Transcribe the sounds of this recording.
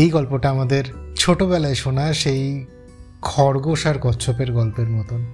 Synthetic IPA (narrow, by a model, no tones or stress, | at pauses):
ejɡɔlpoʈaamad̪eɾt͡ɕʰoʈoβɛlaeʃonaʃej | kʰɔɾɡoʃaɾkɔt͡ɕʰopeɾɡɔlpeɾmɔt̪on